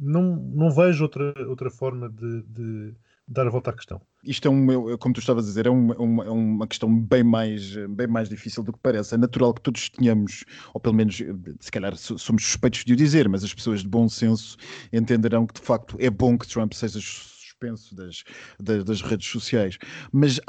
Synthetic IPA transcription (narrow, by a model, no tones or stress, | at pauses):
nɐ̃w̃nɐ̃w̃vɛʒuot̪ɾɐowt̪ɾɐfɔɾmɐðɨd̪ɨ | d̪aɾɐvɔlˠt̪akɨ̥ʃt̪ɐ̰̃w̃ | iʃt̪ɛũɛɛkomut̪uʃt̪avɐɐðizeɾɛumɛumɛumɐkɨ̥ʃt̪ɐ̃w̃bɐ̃j̃majʃɛbɐ̃j̃majʒdðifisilˠd̪uk̚pɐɾɛsɛnɐt̪uɾalˠk̚t̪oðuʃt̪ɨɲɐmuʃoplˠumenuʃsɨ̥kɐʎaɾsosomuʃsu̥ʃpɐjt̪uʒd̪iðizeɾmɐzɐʃpɨ̥soɐʒd̪ɨβõsẽsu̥ẽnt̪ẽnd̪ɨɾɐ̃w̃kɨd̪ɨfak̚t̪u̥ʔɛbõkɨ̥t̪ɾɐ̃mpseʒɐsu̥ʃpẽsuðɐʃd̪ɐd̪ɐʒʁeðʃsusiajʃmɐz